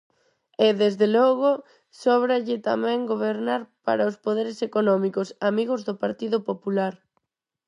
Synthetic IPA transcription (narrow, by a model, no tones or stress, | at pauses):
eðezðelɔɣo | sɔβɾaʎɪt̪a̰mɛ̃ŋɡoβeɾnaɾpa̰ɾaospoðeɾesekonɔmikosamiɣozðʊpaɾt̪iðʊpopulaɾ